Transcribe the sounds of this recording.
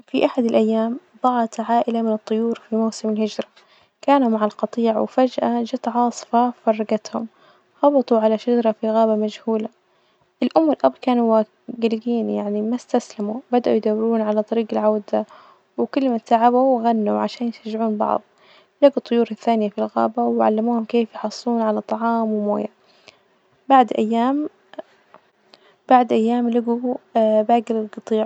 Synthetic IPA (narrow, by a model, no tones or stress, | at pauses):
fiʔaħad̪alʔajːaːmd̪ˤɑʕɑt̪ʕaːʔɪlamɪnɨt̪ˤːʊjuːɾfimawsɪmɪlhɪd͡ʒɾˤɑ | kaːnumaʕalqɑt̪ˤiːʕwfad͡ʒʔad͡ʒat̪ʕɑːsˤɨ̥fɑfɑrˤːɑɡat̪hʊm | hɑbɑt̪ˤuʕalaʃad͡ʒɑɾˤɑfiɣaːbamad͡ʒhuːla | ʔɪlʔʊmːɪlʔabːkaːnuwa | ɡɪlɪɡiːnjaʕnimast̪aslamubad̪aʔujd̪awːɪɾuːnʕalat̪ˤɑɾiːɡɪlʕawd̪a | wkʊlːmasaʕabuwɣanːuʕaʃaːnjɪʃaʒːɪʕuːnbɑ̰ʕðˤ | laɡut̪ˤːʊjuːɾɪθːaːnɪjafilɣa̰ːbawʕa̰lːamuːhʊmkeːfjħɑsˤːuːnʕalat̪ˤɑʕɑːmwɪmo̰ːja | baʕd̪ʔajːaːm | baʕd̪ʔajːaːmlaɡubaːɡɪlɪlɡɑt̪ˤiːʕ